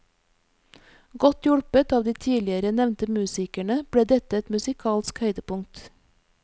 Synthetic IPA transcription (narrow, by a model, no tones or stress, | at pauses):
ɡɔt̪jʊɽpət̪ɑːʋd̪iːt̪ʰiːlɪəɾənɛʋnt̪əmʉːsɪkæɳəb̥ɽeːd̪ɛt̪əɛt̪mʉsɪkʰɑːlskhœʏd̪əpʊŋt̪